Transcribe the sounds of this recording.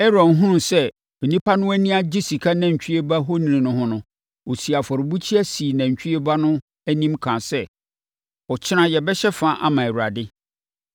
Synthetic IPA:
ɛ˦ɾɔ̃˨nɦʊ̃˦˨sɛ˦ | me˨nĩ˦pʰa˦nʊ̃˦æ˦nĩ˦a˦d͡ʑi˦si˨kʰa˦nã˨ɲ̩˨t͡ɕᶣi˦e˦ba˦ɦo˦nĩ˨nĩ˨nʊ̃˦ɦʊ̃˦nʊ̃˨ | wo˨si˨a˨fɔ˨ɾɪ˨bu˦t͡ɕʰi˦æ˦si˨næ̃˨ɲ˨t͡ɕᶣi˦e˦ba˦nʊ̃˦ | æ˦nĩ˦mkʰã˨sɛ˦ | ɔ˨t͡ɕʰɪ˦nã˦jɛ˨bɛ˦ɕɛ˦fã˦˨ʔa̰˦mã˨ɛ˨wu˨a̰˨dɪ˦

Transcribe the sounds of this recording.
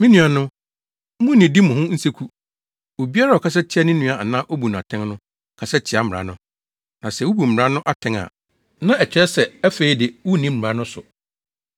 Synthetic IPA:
mĩ˦nũ˨a˨nʊ̃˦ | mʊ̃˦nĩ˨di˦mʊ̃˨ɦʊ̃˦n̩˦se˦kʰu˦ | o˨bi˦a˦ɾa˦˨ɔ˨kʰa˦s̬ɛ˦t͡ɕʰɪ˦a˦nɪ̃˦nũ˨˦a˨nãː˦ʔo˦bu˨n˨ã˨tʰɛ̃˦ŋnʊ̃˦ | kʰa˨sɛ˦t͡ɕʰɪ˨˦a˨mɪ̃˨a̰˨˦nʊ̃˦ | nã˨sɛ˨wu˦bu˨m̩˨ɾã˦nʊ̃˦ʔa˦tʰɛ̃˦ŋa̰˨ | nã˦ɛ˨t͡ɕʰᶣɪ˦ɾɛ˦sɛ˨æ˦fe˦i˦dɪ˨wu˦˨nĩ˦m̩˨ɾã˨˦nʊ̃˦sʊ˨

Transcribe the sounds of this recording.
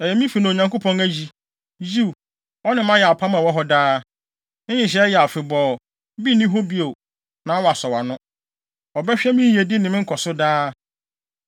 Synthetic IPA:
ɛ˨jɛ˨mĩ˦fi˨nã˨o˨ɲã˨ŋko˦pʰɔ̃˦ŋæ˦d͡ʑi˨ | d͡ʑi˦˨ | ɔ˦nɪ̃˨mã˦jɛ˨a˨pʰa˦mã˨wɔ˦ɦɔ˦daː˦ | ɪ̃˦ɲɪ̃˨ɕ̬ɛ˨˦jɛ˨a˨fɪ˨bɔː˨ | bi˦nĩ˦ɦo˦bi˦o˨ | nã˨˦ɔ˦wɔ˨a˨sɔ˨wa˨nʊ̃˦ | ɔ˨bɛ˦ɕᶣɛ˦mĩ˦je˨di˦nɪ̃˨mɪ̃˦ŋ̩˦kʰɔ˨sʊ˦daː˦

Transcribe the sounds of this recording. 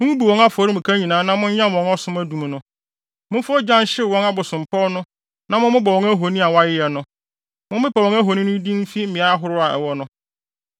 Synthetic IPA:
mʊ̃˦ŋũ˦bi˨wɔ̃˦ŋa˦fɔ˨˦ɾi˦mʊ̃˨kʰa˦ɲĩ˨nãː˨˦nã˦mʊ̃˦ɲ˦ɲã˦m˨wɔ̃˨˦ŋɔ˦sʊ̃˦mæ˦dũ˨m˨nʊ̃˦ | mʊ̃˦fɔ˦d͡ʑã˦n˦ɕɪ˦˨wɔ̃˦ŋa˦bʊ˨sʊ̃˨m˨pʰɔ˦nʊ̃˦ | nã˦mʊ̃˦mɪ̃˦bɔ˨wɔ̃˨ŋæ˦ɦo˨nĩ˦a˨wa˦jɪ˦jɛ˨nʊ̃˦ | mʊ̃˦m˦bɪ˦pa˨wɔ̃˦ŋæ˦ɦo˨nĩ˦nʊ̃˦dĩ˦m̩˦fi˦mɪ̃˨a˦ɦʊ˦ɾʊ˦a˨ʔɛ̰˨wɔ˦nʊ̃˦

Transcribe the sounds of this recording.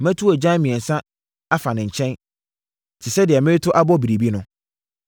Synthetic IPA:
mæ̃˦tʰu˦ɔ˨d͡ʑã˦mĩ˨ɛ̃˨n̩˨sã˦ | a˦fa˨nɪ̃˨ɲ̩˨t͡ɕʰɛ̃˦n | t͡ɕʰɪ˨sɛ˦dɪ˨ɛ˨mɪ̃˦tʰʊ˦ʔa˦bɔ˦bi˨ɾi˨bi˦nʊ̃˦

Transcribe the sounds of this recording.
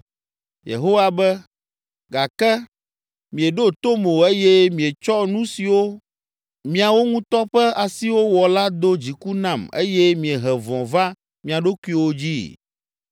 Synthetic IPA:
jḛ˨ɦo˦wa˦bɛ˦ | ɡa˨kɛ˦ | mĩ˨e˨ɖo˦t̪o˦mo˨e˦jɛ˦mĩ˨e˨t͡ʃɔ˦nũ˦si˨wo˦ | mĩ˨a˨wo˦ŋũ˦t̪ɔ˦ɸɛ˦a˨si˦wo˦wɔ˨la˦d̪o˦d͡ʑi˨ku˦nã˦˨mḛ˦jɛ˦mĩ˨e˨ɦɛ˨vɔ̃˨va˦ | mĩ˨a˨ɖo˦ku˦i˦˨wo˦d͡ʑi˦

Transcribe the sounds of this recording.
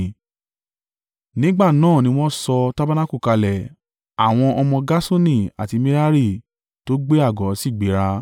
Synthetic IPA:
nĩ˦ɡ͡ba˦˨nãː˦˨nĩ˧˦w̃ɔ̃˦sɔ˧ta˦ba˦nã˦ku˦˨ka˧lɛ˨ | a˨w̃ɔ̃˧ʔɔ˧mɔ̃˧ɡa˦so˦nĩ˦˨a̰˨ti˧mĩ˦ɾa˦ɾi˦˨ | to˦ɡ͡be˦a˦˨ɡɔ˨˦si˦˨ɡ͡be˨˦ɾa˧

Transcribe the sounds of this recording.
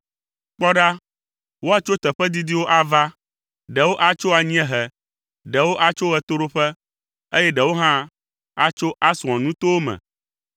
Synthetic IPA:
k͡pɔ˦ɖa˦ | wo˦a˨t͡ʃo˦t̪ɛ˨ɸɛ˦d̪i˦d̪i˦wo˦ʔa˨va˦ | ɖɛ˨wo˦ʔa˦t͡ʃo˦a˨ɲĩ˦ɛ̃˦ɦɛ˨ | ɖɛ˨wo˦ʔa˦t͡ʃo˦ɣɛ˦t̪o˦ɖo˦ɸɛ˦ | e˦jɛ˦ɖɛ˨wo˦ɦã˦ | a˦t͡ʃo˦ʔa˦su˨ɔ̃˨nũ˦t̪o˦wo˦mɛ̰̃˨

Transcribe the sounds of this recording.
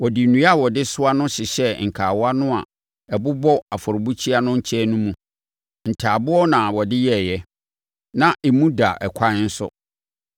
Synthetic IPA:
wɔ˨di˨nũ˨˦a˦˨wɔ˨dɪ˦sʊ˦a˦nʊ̃˦ɕɪ˨ɕɛ˦ŋ̩˨kʰaː˨wa˦nʊ̃˦a̰˨ | ɛ˨bʊ˦bɔ˦a˨fɔ˨ɾʊ˨bu˦t͡ɕʰi˦a˦nʊ̃˦ɲ̩˦t͡ɕʰɛ˦nũ˦mũ˨ | n̩˨tʰaː˨bʊ˦ɔ˦nã˨wɔ˨dɪ˦jɛ˦˨jɛ˦ | nã˦ʔɛ˨mũ˦da˨ʔɛ˨kʷʰa˦n̩˦sʊ̰˦

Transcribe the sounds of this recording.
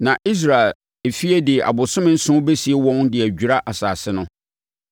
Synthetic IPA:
nã˨ʔi˦s̬ɾa˨e˨l | e˨fi˦e˦dɪ˨ʔa̰˨bʊ˨sʊ̃˦mɪ̃˦n̩˦sʊ̃˦be˦si˨e˦wɔ̃˦ndɪ˨æ˨d͡ʑᶣu˨ɾa˦ʔa˨saː˨sɪ˦nʊ̃˦

